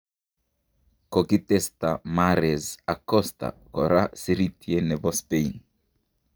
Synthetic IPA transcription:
kokit̪est̪amaɾezakɔst̪a̰koɾasiɾit̪jeneβɔspejn

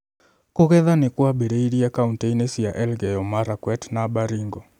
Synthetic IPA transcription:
koɣɛðanɪkwabeɾeiɾiakaunteinesijaʔɛlɡɛjɔmaɾakwɛtnabaɾiŋɡɔ

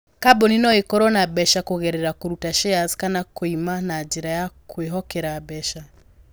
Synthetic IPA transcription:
kabɔninɔekɔɾɔnabɛʃakoɣɛɾɛɾakoɾutaʃɛazkanakoimanaːd͡ʒiɾajakʰweɦɔkɛɾabɛʃa

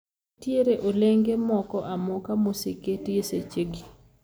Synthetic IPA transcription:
tjeɾeʔoleŋɡemɔkɔʔamɔkamosiketeset͡ʃeɡi

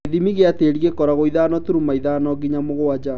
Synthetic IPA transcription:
ðimiɣeateɾiɣekɔɾaɣoiðaːnɔtuɾumaiðaːnɔɡiɲamoɣowad͡ʑa

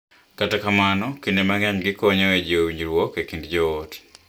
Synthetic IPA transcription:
katakamanɔkindemaŋɛɲɡɪkɔɲɔed͡ʒowiɲd͡ʒɾwɔkekindd͡ʒɔot

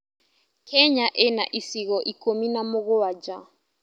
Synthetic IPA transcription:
kʰɛɲaʔɛna̰ʔisiɣɔʔikominamoɣoad͡ʒa

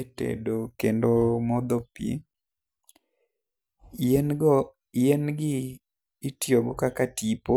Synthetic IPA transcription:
tḛdokendomɔd̪ɔpḭ | enɡɪː | tjoɡɔkakatipo

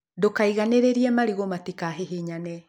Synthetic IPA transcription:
dokaiɣaneɾeɾiɛmaɾiɣomatikaɦeɦeɲanɛ

